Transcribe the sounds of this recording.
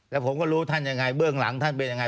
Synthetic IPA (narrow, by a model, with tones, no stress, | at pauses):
lɛ˨˦˩pʰo̰˨˧˦ŋ͡mkɔ˧˩lu˧˦t̪ʰa˧˩nɲaː˨˩ŋa˨˩jɓɨ˧˩əŋla̰˧˦ŋt̪ʰa˧˩npi˧˨˩ɲa˨ŋa˨˩